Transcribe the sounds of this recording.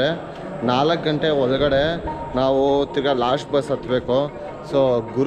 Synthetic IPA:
e | naːlɐkɡɐɳʈeɔɭɐɡɐɽenaːʋut̪iɾɡɐlaːʂʈbɐsɐt̪ʰːbeːko | soːɡuɾ

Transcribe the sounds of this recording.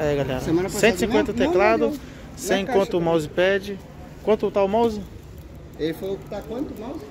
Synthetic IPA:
ɛɡalɛ̰ɾɐemɐ̃nɐssẽnt̪ɪsĩkwẽnt̪ɐt̪eklad̪ʊ | sẽj̃kwɐ̃nt̪ʊmawzɪpɛd͡ʒɪ | kwɐ̃nt̪ʊt̪awmawzɪ | efojʊkɪ̥t̪akwɐ̃nt̪ʊmawz

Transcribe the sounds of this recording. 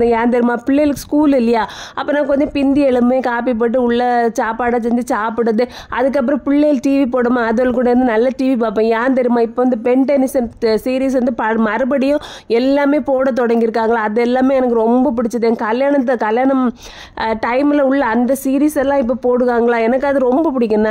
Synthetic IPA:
ɯjaːɾnd̪ɐɾɯmaːpɪɭːeːlɯkːɯskuːlɪlːɐjaːʔɐpːɐːnãːkɔɲd͡ʒɔ̃pɪnd̪iɛɭɯmbẽːkaːp̬ip̬ɐʈ̬ːɯʊɭːɐt͡ʃaːpaːɽɐsɛɲd͡ʒɯt͡ʃaːpɪɽɐðɯ | ʔɐ̰ðɯk̬ːɐpːɯɾɐ̃pɪɭːejlʈiːʋipoːɽɯmaːðoɭkːuːɽɐɪɾɯnd̪ɯnɐlːɐʈiːʋipoːp̬ːɐ̃jaːɾnd̪ɐɾɯmaːɪpːoːʋɐnd̪ɯpɛɳʈɛnɪsɐnsiːɾiːs̬ʋɐnd̪ɯpɐmɐɾɯbɐɽɪjʊ̃ɛlːaːmeːpoːɽɐt̪̬ɔɽɐŋɡɪɾɯkːaːŋɡɐɭãːɐðɛlːaːmeːɛnɐk̬ːɯɾɔmbɐp̬ʊɽɪt͡ʃːɐðɯɛnkɐljaːɳɐt̪ːkɐljaːɳɐm | ʈɐɪmɪlɐʊɭːɐɐnd̪ɐsiːɾiːsɛlːãːɪp̬ːoːpoːɽɯʋaːŋɡɐɭãːɛnɐkːɯɐðɯɾɔmbɐpʊɽɪk̬ʲːɐnːãː

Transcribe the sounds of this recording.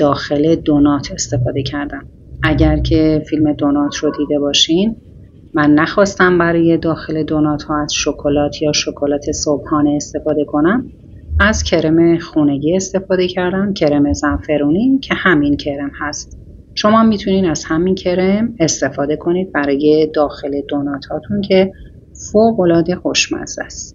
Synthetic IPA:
d̪̥ɒːxe̞led̪onɒt̪ʰe̞st̪e̞fɒːd̪e̞cʰæɾd̪æm | ʔæɟæɾcʰe̞filme̞d̪onɒːt̪ʰrod̪iːd̪e̞bɒːʃin | mænːæxɒːst̪æmbæɾɒːje̞d̪ɒːxe̞le̞d̪onɒːt̪ʰhɒːæz̥ʃokʰolɒːt̪ʰjɒːʃokʰo̞lɒːt̪ʰe̞sob̥hɒːneːst̪e̞fɒːd̪e̞kʰo̞næm | æzcʰe̞ɾeme̞xuːne̞ɟiːe̞st̪e̞fɒːd̪e̞cʰæɾd̪ænd̪cʰe̞ɾeme̞zænfe̞ɾuːnicʰe̞hæmincʰe̞ɾe̞mhæst̪ | ʃo̞mɒːmiːt̪ʰuniːd̪æz̥hæmincʰe̞ɾeme̞st̪e̞fɒːd̪e̞kʰo̞niːd̪̚bæɾɒːje̞d̪ɒːxe̞le̞d̪onɒːt̪ʰhɒːt̪ʰuncʰe̞ | foːɣo̞lɒːd̪e̞xoʃmæ̰nzæst̪

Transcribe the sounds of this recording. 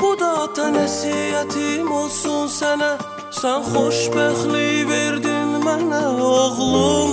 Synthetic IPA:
b̥ʊd̪ɑt̪ʰɑnæsiæt̪ʰɪmolˠsʊnsænæ | sænχoʃbæχlibeɾd̪ɪnmænæoʁlˠu

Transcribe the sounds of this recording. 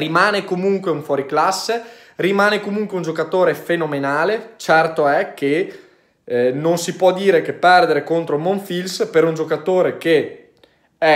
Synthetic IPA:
rimaːnekomuŋkweuɱfwɔːɾiklasːe | rimaːnekomuŋkweund͡ʒokat̪oːɾefenomenaːlet͡ʃɛrt̪oɛke | nonsipwɔd̪iːɾekepːɛrd̪eɾekont̪ɾomoɱfilspeɾund͡ʒokat̪oːɾeke | ɛ

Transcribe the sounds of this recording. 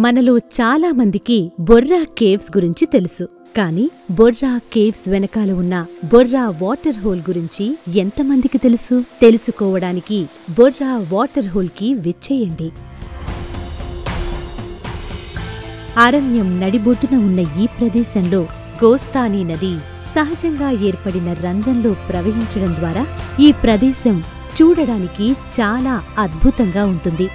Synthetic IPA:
mɐnɐlut͡ʃaːlaːmɐnd̪ikibɔrːaːkeːʋsɡuɾiɲt͡ʃit̪elusu | kaːniː | bɔrːaːkeːʋsʋɛnɐkaːluunːɐbɔrːaːʋaːʈɐɾɦoːlɡuɾiɲt͡ʃient̪ɐmɐnd̪ikit̪e̞lusut̪e̞lusukɔːʋɐɽaːniki | bɔrːaːʋaːʈɐɾɦoːlkiʋet͡ʃːɛːjɐɳɖi | aːɾɐnjɐmnɐɽiboʈːunɐunːɐiːpɾɐd̪ɛːʃɐnlo̞ː | ɡɔːst̪aːniːnɐd̪i | sɐɦɐd͡ʒɐŋɡaːeːɾpɐɽinɐɾɐŋɡ̪ɐnlo̞ːpɾɐʋɐɦiɲt͡ʃɐɽɐnd̪ʋaːɾaːiːpɾɐd̪ɛːʃɐm | t͡ʃuːɽɐɽaːnikit͡ʃaːlaːɐd̪̚bʱut̪ɐŋɡaːuɳʈund̪i

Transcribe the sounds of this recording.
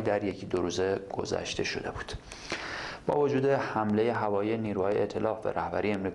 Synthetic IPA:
d̪æɾjecʰid̪oɾuːze̞ɡ̥o̞̰zæ̰ʃt̪e̞ʃo̞̰d̪e̞̰bu̥ːd̪̥ | b̥ɒ̰ːvo̞d͡ʒuːd̪e̞hæmle̞je̞ɦævɒːjijeniːɾuːhɒːjeʔet̪ʰe̞lɒːfbḛɾʔæhbæɾijeemɾiːk

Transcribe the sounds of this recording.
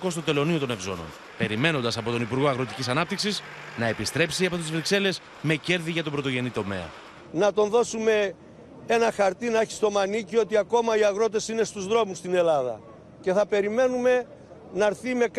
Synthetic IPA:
ko̞st̪o̞t̪e̞lo̞nio̞t̪one̞vzo̞̰no̞̰n | pe̞ɾime̞no̞nd̪ɐsɐpo̞t̪o̞nipuɾɣo̞ɐɣɾo̞t̪icisɐnɐp̚t̪iksis | nɐe̞pist̪ɾe̞psiɐpot̪izvɾikse̞le̞s | me̞ce̞ɾðiʝɐt̪obɾo̞t̪o̞ʝe̞nit̪o̞me̞̰ɐ̰ | nɐt̪o̞nðo̞sume̞ | enɐxɐɾt̪inɐeçi̥st̪o̞mɐnicio̞t̪iɐko̞mɐiɐɣɾo̞t̪e̞sine̞st̪uzðɾo̞must̪ine̞lɐðɐ̰ | ce̞θɐpe̞ɾime̞nume̞ | nɐɾθime̞k

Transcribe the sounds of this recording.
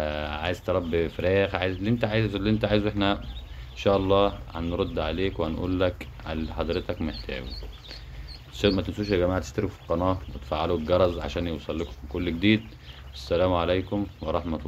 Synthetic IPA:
ʕa̰ːjezt̪ɾˤɑbːifɾæːxʕajezlːiʔent̪æʕaːjliʔent̪æʕaːjezuʔeħnæenʃæːʔɑlˤːɑːhænɾod̪ːʕaleːkwehænʔṵːlːæk | ʔælħɑd̪ˤɾet̪ɑkmeħt̪ʰæ̰ːɡu | seːmæt̪ensuːʃelɡæmaːʕat̪e̥ʃt̪æɾkufi̥lqɑnɑːwet̪faʕːaluɡɑɾˤɑzʕa̰ʃæːnjewsˤɑlːeko̥fkolːɡd̪iːd̪ | ʔæsːælæːmʕalejkomwɑɾˤɑħmæt̪ː

